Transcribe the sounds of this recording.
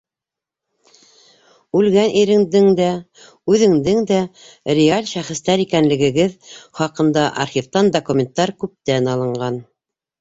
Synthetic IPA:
ʉlɡænʔiɾɘ̆ŋd̪ɘŋd̪æ | ʉðɘ̆ŋd̪ɘŋd̪æ | rʲɪalʲʃæχɘ̆st̪æɾikænlɘ̆ɡɘ̆ɡɘðχɑqɤ̆nd̪ɑʔɑ̰rχʲivt̪ɑnd̪okumʲent̪ːɑɾkʉp̚t̪ænɑlˠɤ̆ɴɢɑn

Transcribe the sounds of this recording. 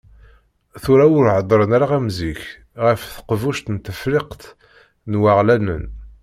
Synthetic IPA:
θuɾaʊɾʕəd̪ˤɾˤənaɾaʁæmziç | ʁəfθə̥qvuʃt̪nt̪əfɾiqt̪ | nwaʁlænə̰n

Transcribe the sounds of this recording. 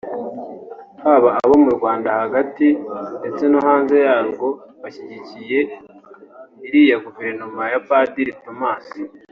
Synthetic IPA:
haːβaːβo̞muɾɡwaːndahaɡatinde̞t͡se̞noɦaːnze̞jaːɾɡo̞βaçiɟicije̞ | iɾiːjaɡuve̞ɾnomajapadiɾito̞maːsi

